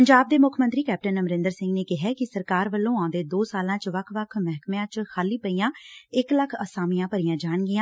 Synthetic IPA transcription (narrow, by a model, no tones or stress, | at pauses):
əɲd͡ʒaːb̚d̪eːmʊkʰmə̃nt̪ɾiːkɛːp̚ʈənəmɾɪ̃nd̪əɾsɪ̃ŋɡneːkɪɦɛːkɪsəɾkaːɾʋəlːõːãːd̪eːd̪oːsaːlãːt͡ʃʋəkʰʋəkʰmɛɦkmeãːt͡ʃxʰaːliːpəiːãːɪkləkʰəsaːmɪjãːpəɾijãːd͡ʒaːɳɡɪjãː